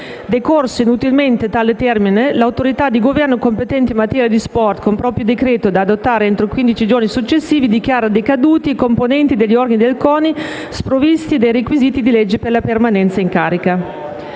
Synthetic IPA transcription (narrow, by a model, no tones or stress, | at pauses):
d̪ekorseinut̪ilment̪et̪aːlet̪ɛrminelawt̪oɾit̪ad̪ːiɡovɛrnokompet̪ɛnt̪imːat̪ɛːɾjad̪ispɔrt̪kompɾɔːpɾjod̪ekɾeːt̪od̪aːd̪ot̪ːaːɾeent̪ɾokwind̪it͡ʃid͡ʒornisut͡ʃːesːiːvid̪ikjaːɾad̪ekad̪uːt̪iːkomponɛnt̪id̪eʎːiɔrɡanid̪elkɔːni | spɾovist̪id̪ejrekwiziːt̪id̪ilɛd͡ʒːeperlapermanɛnt̪saiŋkaːɾika